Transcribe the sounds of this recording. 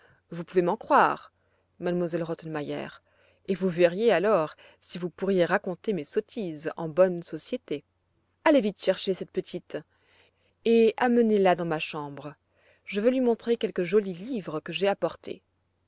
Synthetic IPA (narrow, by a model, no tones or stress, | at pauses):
vupuvemɑ̃kχwaʁ | mad̪mwazɛlʁɔt̪ɛnmajɛ̰ːʁ | evuvɛʁjealɔʁ | sivupuʁjeʁakɔ̃t̪emesɔt̪ʰizɑ̰̃bɔnsɔsjet̪e | alevit̪ʃɛʁʃesɛt̪̚pət̪ʰit̪ | eamənelad̪ɑ̃maʃɑ̃bʁə | ʒəvølɥimɔ̃t̪χekʲɛlkəʒɔlilivʁəkəʒeapɔʁt̪ʰḛ